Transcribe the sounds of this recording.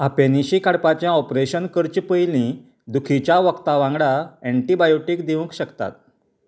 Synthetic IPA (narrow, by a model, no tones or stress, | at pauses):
apeniɕikaɽpat͡ɕjãɔpɾeɕənkəɾt͡ɕpəjlĩ | d̪ukʰit͡ɕjaʋəkt̪aʋãŋɡɽaeɳʈibajoʈiːkd̪iʋũŋkɕəkt̪a̰t̪̚